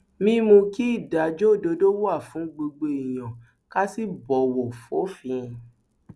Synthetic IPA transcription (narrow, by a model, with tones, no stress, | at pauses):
mĩ˧˦mũ˧ki˦i˦˨da˨˦d͡ʒo˦˨do˧do˦wa˦˨fũ˨˦ɡ͡bo˧ɡ͡be˧i˨j̃ã˨ | ka˦si˦bɔ˨wo˨fo˨˦fĩ˧